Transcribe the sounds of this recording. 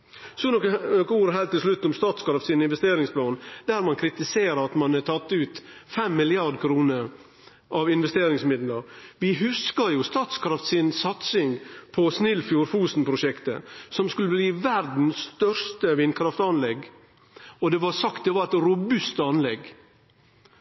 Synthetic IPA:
sɔnɔkənɔkːəuːɾəɦælt̪ːɪlslʉt̪ːɔmst̪ɑːt̪skɾɑft̪siːnɪnʋɛst̪eːɾɪŋsplɑːnd̪̥æɾmɑnkʰɾɪt̪ɪseːɾəɑt̪mɑnɛt̪ʰɑt̪ːʉːt̪fɛmːɪlɪɑɾd̪kʰɾuːnəɾ | ʔɑʋɪnʋɛst̪eːɾɪŋsmɪd̪ləɾʋɪɦʉskəɾjʊst̪ɑːt̪skʰɾɑft̪sɪnsɑt̪sɪŋpʰɔsnɪlfjuːɾfuːsn̩pʰɾʊʂɛkt̪ə̰sɔmskʉlːəbliːʋæɾd̪n̩sːt̪œɾʂt̪əʋɪnkʰɾɑft̪ɑnlɛɡ | ɔd̪ɛʋɑsɑkt̪̚d̪ɛʋɑɾæt̪ɾʊbʉst̪ɑnlɛɡ

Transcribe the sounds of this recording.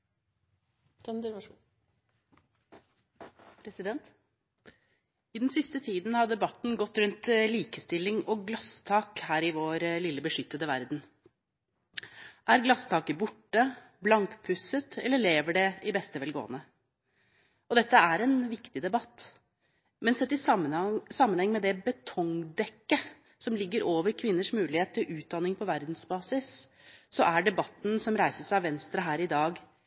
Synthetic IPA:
pʰɾɛsɪd̪ɛnt̪ | ɪd̪nsɪst̪ət̪ʰiːd̪n̩hɑd̪ɛbɑt̪n̩ɡɔt̪ːɾʉnt̪liːkəst̪ɪlːɪŋɔɡlɑst̪ʰɑːkhæːɾɪʋoːɾlɪlːəbəʂʏt̪ːəd̪əʋæɾd̪n̩ | ʔæɾɡlɑst̪ʰɑːkəbʊʈːə | blɑŋkpʰʉsət̪ʰɛlːəɭeːʋəɖɛɪbɛst̪əʋɛlɡo̰ːə̰nə | ɔd̪ɛt̪ːəæɾɛnʋɪkt̪ɪd̪ɛbɑt̪ː | mɛnsɛt̪ːɪəsɑmːənhɛŋmɛd̪ɛbət̪ʰɔŋd̪ɛkːə | sɔmlɪɡːəɾoːʋəɾkʰʋɪnːəʂmʉːlɪheːt̪ʰːɪlʔʉːt̪̚d̪ɑnːɪŋpʰɔʋæɾd̪n̩sbɑːsɪs | sɔʔæɖɛbɑt̪n̩sɔmɾæɪsəʂæʋɛnst̪ɾɑɦæːɾɪd̪ɑːɡ

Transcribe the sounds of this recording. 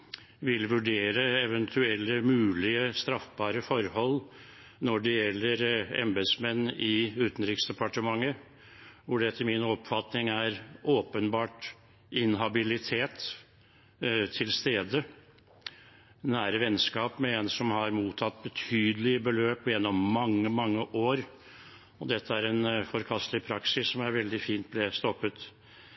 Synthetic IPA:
ʋɪlʋʉɖeːɾəɛʋɛnt̪ʰʉɛlːəmʉːlɪəst̪ɾɑfbɑːɾəfɔɾhɔlː | nɔɖɛjɛlːəɾɛ̰mbɛd̪smɛnːɪʉːt̪n̩ɾɪksd̪ɛpɑʈəmɑŋːə | ʋʊɖɛt̪ʰɪlmɪnɔpfɑt̪nɪŋæɾʔoːpənbɑːʈ | ɪnɦɑbɪlɪt̪ʰeːt̪ | t̪ʰɪlst̪eːd̪ə | næːɾəʋɛnskɑːpmɛɛnsɔmhɑɾmuːt̪ʰɑt̪̚ːbət̪ʰyːd̪əlɪbəløːpjɛnːɔmːɑŋːəmɑŋːəʔoːɾ | ɔd̪ɛt̪ʰːəæɾɛnfɔɾkʰɑst̪lɪpʰɾɑksɪsːɔmæɾʋɛld̪ɪfiːnt̪̚blɛst̪ɔpːət̪

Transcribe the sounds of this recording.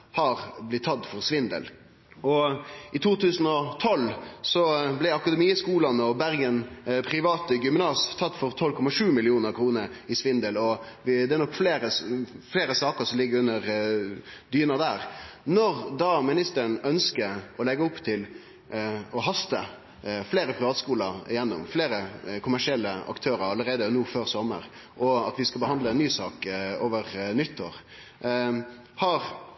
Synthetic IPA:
hɑɾblɪt̪ʰːɑt̪ːfɔɾsʋɪnd̪ə̰l | ɔɪt̪ʰuːt̪ʰʉːsn̩ɔt̪ʰɔlsɔblæɪɑkɑd̪ɛmiːskuːlɑnɔbæɾɡənpʰɾɪʋɑːt̪əɡʏmnɑːst̪ʰɑt̪ːfɔɾt̪ʰɔlkʰɔmɑʂʉːmɪlɪuːnəɾkʰɾuːnəɾɪsʋɪnd̪əlɔʋd̪ɛæɾnɔkːfleːɾəfleːɾəsɑːkəɾsɔmlɪɡːəɾʉnːəɾ | d̪yːənɑd̪æːɾnɔʁd̪ɑmɪnɪst̪əɾənœnskəɔlɛɡəʊpːt̪ʰɪl | ɔɦɑst̪ə | fleːɾəpʰɾɪʋɑːt̪skuːləɪ̰jɛnːʊ̰mfleːɾəkʰʊmæʂɪɛlːəɑ̰kt̪ʰøːɾəɾɑlːəɾeːd̪ənuːføːɾsɔmːə̰ɾ | ʔɔɑt̪ʋɪskɑbəhɑnd̪ləɛnːyːsɑːkoːʋəʁnʏt̪ʰːoːɾ | hɑɾ

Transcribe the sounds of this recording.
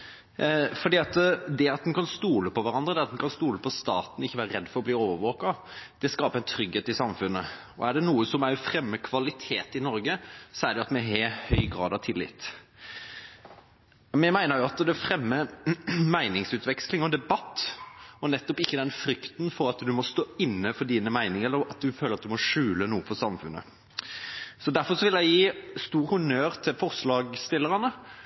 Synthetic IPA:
fɔɖ̪iːɑt̪d̪ɛɑt̪̚d̪ɛnkʰɑnst̪uːləpʰɔʋæɾɑnd̪ɾəd̪ɛɑt̪d̪ɛnkʰɑnst̪uːləpʰɔst̪ɑːt̪n̩ɪçːəʋæːɾəɾɛd̪ːfɔɾɔbliːoːʋəʋɔːkɑ | d̪̥ɛskɑːpəæɪnt̪ʰɾʏɡheːt̪ɪsɑmfʉnːə | ɔ̰æɖɛnuːəsɔmæɪfɾɛmːəkʰʋɑlɪt̪ʰeːt̪ɪnɔɾɡəsɔæɾɖɛɑt̪mɛɦɛhœʏɡɾɑːd̪ɑʋt̪ʰɪlːɪ̰t̪ | mɛmæɪnəɾjʊɑt̪d̪ɛæfɾɛmːəmæɪnɪŋsʉːt̪ʋɛkslɪŋɔd̪ɛbɑt̪ːɔnɛt̪ːɔpɪçːəd̪ɛnfɾʏkt̪nfɔɾɑt̪d̪ʉmɔst̪oːɪnːəfɔd̪iːnəmæɪnɪŋəɛlːəɾɑt̪̚d̪ʉføːləɾɑt̪d̪ʉmɔʂʉːlənuːəfɔsɑmfʉ̰nːə̰ | sɔd̪æɾfɔsɔʋɪljæɪjiːst̪uːɾhʉnøːɾt̪ʰɪfɔʁslɑːɡst̪ɪlːəɾɑnə

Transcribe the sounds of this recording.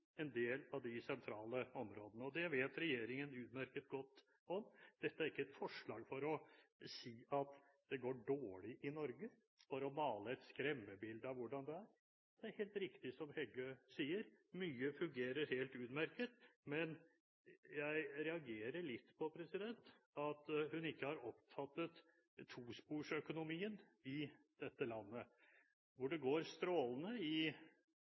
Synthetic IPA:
ɛnd̪eːlɑʋd̪ɪsɛnt̪ʰɾɑːləɔmɾoːd̪ənəɔd̪ɛʋeːt̪ɾɛjeːɾɪŋənʉːt̪mæɾkət̪̚ɡɔt̪ː | ɔmd̪̥ɛt̪ːəæɾɪkːəɛt̪fɔʂɭɑːɡfɔɾɔsiːɑt̪ | d̪̥ɛɡoːɖoːɭɪʔɪnɔɾɡə | fɔɾɔmɑːləɛt̪skɾɛmːəbɪld̪ɑʋʋʊɖɑnd̪ɛæɾ | d̪̥ɛæɾheːlt̪ɾɪkt̪ɪsɔmhɛɡøːsiːəɾmyːəfʉŋɡeːɾəɾheːlt̪ʉːd̪mæɾkət̪mɛn | jæɪɾɛɑɡeːɾəɭɪt̪ːpʰɔpʰɾɛsɪd̪ɛnt̪ɑt̪hʉnɪkːəhɑɾɔpt̪ʰɑt̪ːət̪ʰː | uːspuːʂœkʊnʊmiːənɪ | d̪̥ɛt̪ːəlɑnːə | ʋʊɖɛɡoːɾst̪ɾoːlənəɪ

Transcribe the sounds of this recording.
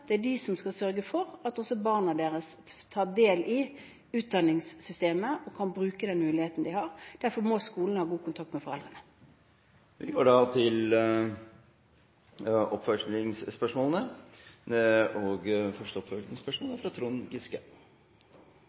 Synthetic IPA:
d̪̥ɛæɖɪsɔmskɑsœɾɡəfɔɾɑt̪ɔsɔbɑːʁnɑd̪eːɾəs | t̪ʰɑːd̪eːlɪ | ʉːt̪̚d̪ɑnːɪŋsːʏst̪eːməʔɔkʰɑnbɾʉːkəd̪ɛnmʉːlɪheːt̪n̩d̪ɪhɑʁd̪̥æɾfɔmɔskuːlnəhɑːɡuːkʊnt̪ʰɑk̚t̪mɛfɔʁɛld̪ʁənə | ʋɪɡoːɖɑt̪ʰɪl | ɔpfœʂɪŋssːpœʂmɔːlənə | ɔɡfœʂʈəɔpfœɪŋspœʂmɔːləfɾɑt̪ʰɾuːnɡɪskə

